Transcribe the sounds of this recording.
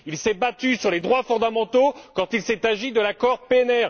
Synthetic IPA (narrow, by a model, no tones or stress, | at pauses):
ilsɛbat̪ysyʁled̪ʁwafɔ̃d̪amɑ̃t̪okɑ̃t̪ilsɛt̪aʒid̪əlakɔʁpeɛnɛʁ